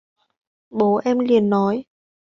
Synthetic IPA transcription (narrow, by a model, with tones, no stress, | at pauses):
ɓo˨˦ʔɛ˧mli˨˩ənːɔ˨˦j